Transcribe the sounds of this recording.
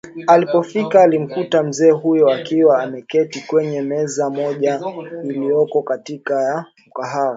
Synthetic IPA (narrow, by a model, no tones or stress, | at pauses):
alipɔfikaːlim̩kutam̩zɛːɦujɔakiwaːmɛkɛtikwɛɲɛmɛzamɔʄailijɔkɔkatikajam̩kaɦaɔ